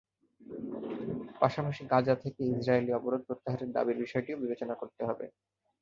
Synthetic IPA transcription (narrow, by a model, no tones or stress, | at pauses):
paʃapaʃiɡãd͡ʑat̪ʰekeisɾaeliɔboɾod̪̚pɾot̪ːaɦaɾeɾd̪a̰biɾbiʃɔeʈiobibet͡ɕonakoɾt̪eɦɔbḛ